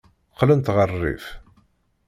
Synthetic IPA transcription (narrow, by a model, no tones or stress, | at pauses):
qːlənt̪ʁərˤːḭf